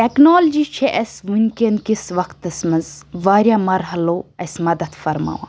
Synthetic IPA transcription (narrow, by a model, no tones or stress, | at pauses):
ʈeknoːld͡ʒiːt͡ʃʰeʔɐsmunʲkʲinkisʋɐkt̪ːɐsmɐzʋaːɾjaːmɐɾɦɐloːɐsmɐd̪ɐd̪fɐɾma̰ːʋa̰ː